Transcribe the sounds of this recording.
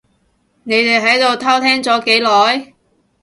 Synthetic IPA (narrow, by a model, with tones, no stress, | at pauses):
ne˨˧jt̪e˨jɦɐ˨˥jt̪o˨wt̪ʰɐ˥wt̪ʰɛː˥ŋt͡sɔː˨˥ke˨˥jlɔː˨˥j